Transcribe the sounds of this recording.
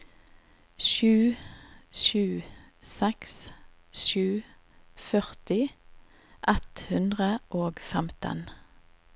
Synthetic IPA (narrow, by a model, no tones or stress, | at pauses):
ʃʉː | ʃʉː | sɛks | ʃʉː | fœʁt̪ɪ | ʔɛt̪hʉnd̪ʁəʔoːɡfɛmt̪ə̰n